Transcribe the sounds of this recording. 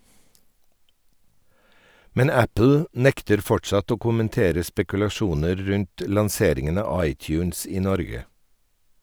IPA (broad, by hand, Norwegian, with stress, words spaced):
ˈmɛn ˈæpl̩ ˈnɛktəɾ ˈfɔʈʃɑt ˈoː kʊmənˈteːɾə spɛkʉlɑˈʃuːnəɾ ˈɾʉnt ə lɑnˈseːɾɪŋən ˈɑː ˈɑɪˌtjʉːns ˈiː ˈnɔɾɡə